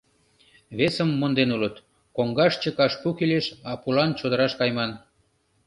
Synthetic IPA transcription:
βesəmːond̪enulət̪ | koŋɡɑʃt͡ɕəkɑʃpukileʃɑpulɑnt͡ɕod̪əɾɑʃkɑjmɑn

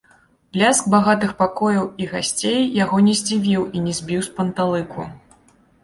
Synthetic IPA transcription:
plʲask̚baɣat̪ɨxpakɔjɐwiɣasʲt͡sʲejːaɣɔnʲɛzʲd͡zʲivʲiwinʲɛzʲbʲiwspɐnt̪alˠɨkṵ

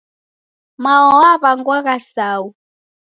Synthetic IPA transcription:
maɔwaβaŋɡwaɣasaːu

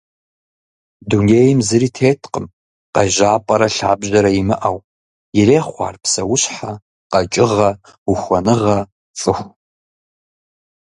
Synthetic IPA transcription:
duneːjɪmzɨɾiːtʰeːtʰqəm | qɐʒaːpʼɐɾɐɬa̰ːbʑɐɾɐjimɨʔaw | jɪreːχʷɑ̰ːrpsɐwʊɕħa | qɐt͡ʃʼɪʁɐ | uxʷɐnɨʁɐ | t͡sʼɨxʷ

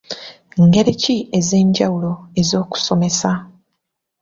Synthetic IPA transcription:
ŋɡe̞ɾicie̞ze̞ːɲɟawulo̞e̞zo̞ːku̥so̞me̞sa

